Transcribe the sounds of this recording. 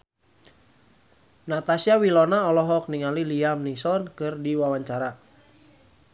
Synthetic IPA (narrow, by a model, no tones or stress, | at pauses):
nat̪asiawilɔnaɔlɔɦɔk̚niŋaliliamnisɔnkɨrdiwawaɲt͡ʃaɾa